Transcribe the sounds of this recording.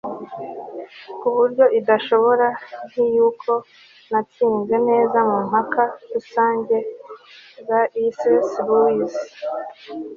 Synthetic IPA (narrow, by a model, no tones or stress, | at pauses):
kuβuɾɟo̞ʔidaʃo̞βo̞ɾan̥ijuːkʰo̞ | natiːŋze̞ne̞ːzamumhakaɾusaːɲɟe̞ | zaʔisesluis